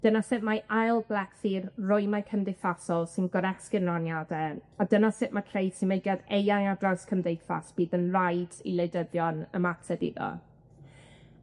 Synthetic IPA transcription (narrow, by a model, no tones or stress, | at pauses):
d̥ənasɪʔmaʔajlˠblakθiːrrʊɨmakʰəmdɪfasɔlˠsɪnɡɔɾɛskɪnranjadɛadənasɪʔmakʰrejd̥sinmejɡjaðejaŋadraskʰəmdejfa̰sb̥iːðənrajdḭlˠejdəðjɔnə̰matʰɛdḭðɔ̰